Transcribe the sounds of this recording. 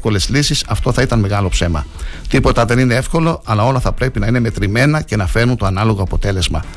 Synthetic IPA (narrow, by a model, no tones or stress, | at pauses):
ko̞le̞zlisisɐft̪o̞θɐit̪ɐnme̞ɣɐlo̞pse̞mɐ̰t̪ipo̞t̪ɐðe̞nine̞e̞fko̞lo̞ɐlɐo̞lɐθɐpɾe̞pinɐine̞me̞t̪ɾime̞nɐce̞nɐfe̞ɾnunt̪o̞ɐnɐlo̞ɣo̞ɐpo̞t̪e̞le̞zmɐ